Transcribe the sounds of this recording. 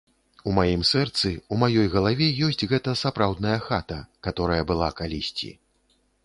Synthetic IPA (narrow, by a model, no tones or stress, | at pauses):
umajimsɛrt̪sɨumajɔjɣɐlˠavʲɛjɔsʲt͡sʲɣɛt̪ɐsapɾawd̪nɐjɐxat̪ɐkat̪ɔɾɐjɐbɨlˠakalʲisʲt͡sʲḭ